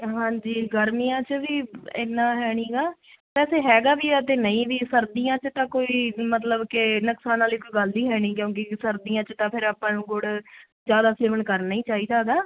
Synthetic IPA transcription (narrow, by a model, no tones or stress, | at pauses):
ɦãːɲd͡ʒiːɡəɾmiːãːt͡ʃʋiːɪ̰nːãːɦɛːɽ̃ĩːɡaː | pɛːseːɦɛːɡaːbiːət̪eːnəĩːʋiːsəɾd̪iːãːt͡ʃt̪ãːkoːiːmət̪̬ləbkɪnəksaːnãːliːkoiɡəld̪iːɦɛːɽ̃ĩːkjõːk̬isəɾd̪iːãːt͡ʃt̪ãːpʰɪɾaːpãːnũːɡʊɽ | zjaːd̪aːseːʋənkəɾnaːĩːt͡ʃaːɦiːd̪aːɡ̪aː